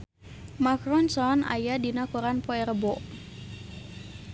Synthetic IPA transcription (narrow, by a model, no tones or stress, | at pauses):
makrɔnsɔna̰jadinakuɾanpɔɛɾəbɔʔ